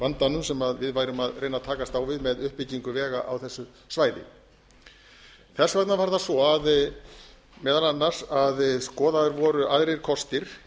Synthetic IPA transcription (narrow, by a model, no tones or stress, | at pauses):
vant̪anʏmsɛmaðvɪðvaːjɾʏmaðrejnat̪ʰaːkast̪aːwvɪðmɛðʏhpːɪciŋkʏvɛːɣa̰ʔawθɛsːʏ | svaːjðɪ̰ | θɛsvɛt̪navaɾðasvɔað | mɛːðalanːaɾ̥saðskɔːðaðʏɾvɔːɾʏʔaðɾeɾ̥kʰɔst̪ɪɾ̥